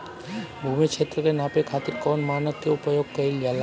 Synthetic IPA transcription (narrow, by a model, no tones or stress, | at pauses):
bʱumit͡ʃʰet̪ːɾokenapekʰat̪iɾkɔnmanat̪ːeupajoɡ̚kəɾiljala